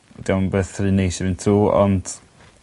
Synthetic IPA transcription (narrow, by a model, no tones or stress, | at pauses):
ɛdiabeːθriːnejʃɛvɨntʰuːɔ̰nd̥